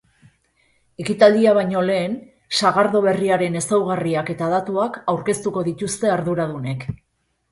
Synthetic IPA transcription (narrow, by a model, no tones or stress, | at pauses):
e̞kit̪ald̪iaβ̞ajɲo̞le̞ːn | saɣaɾðo̞β̞e̞riaɾe̞ne̞sawɣariake̞t̪aːðat̪uakawɾke̞st̪uko̞ðit̪ust̪e̞aɾðuɾaðune̞k